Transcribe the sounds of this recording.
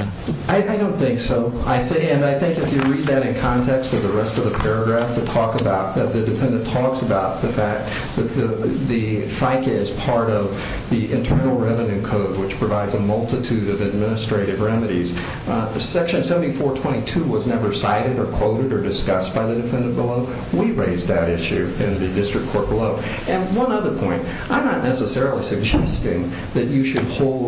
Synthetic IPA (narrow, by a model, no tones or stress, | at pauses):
aɪʔaɪdõʊ̃nθɪ̃ŋksoʊaɪθɪɨ̃naɪθɪ̃ŋkɨfjɨɹid̪̚ðɨɾɨ̃nkʰɑ̃ntʰɛkstʌvðəɹɛstʌvðəpʰɛɹɨɡɹæfðɨtʰɔkəbaʊt̪̚ɨt̪̚ðɨdɨfɛ̃ndɨ̃ntʰɔksəbaʊt̪̚ðɨfæk̚ | ðɨt̪̚ðɨði | faɪkɪz̥pʰɑɹɾʌv | ðiʔɨ̃ntʰɜ̃˞nl̩ˠɹɛvɨ̃njʉkʰoʊd̚wɨt͡ʃpʰɹ̥ɨvaɪdzəmʌlˠtɨtʰʉɾʌvɨd̚mɪnɨstɹ̥eɪɾɨvɹɛmɨɾḭz̥ | sɛkʃɨ̃nsɛvn̩tifɔɹtʰw̥ɛ̃ɾ̃itʰʉwʌznɛvə˞saɪɾɨɾə˞kʰw̥oʊɾɨɾə˞dɨskʌsb̥aɪðɨdɨfɛ̃ndɨ̃nb̥əloʊ | wiɹeɪzðɨɾɪʃʉɪ̃nðɨdɪstɹ̥ɨkʰɔɹt̚b̥əloʊ | ɨ̃nwʌ̃nʌðə˞pʰɔ̃ɪ̃nt | ãɪ̃mnətⁿnʔɛsəsɛɹl̩ˠisɨɡ̚d͡ʒɛstɪ̃ŋ | ðɨt͡ʃɨʃɨd̚hoʊlˠ